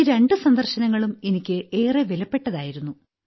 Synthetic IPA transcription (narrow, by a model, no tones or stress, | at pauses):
ɾe̞ɳɖɨsɐnd̪ɐrɕɐnɐŋːɐɭume̞nikʲːɨʔeːreʋelɐpːe̞ʈːɐðaːjiɾunːu